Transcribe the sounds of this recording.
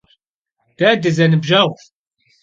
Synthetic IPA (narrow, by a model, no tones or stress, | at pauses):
d̪̥æd̪əzænəbʒæθ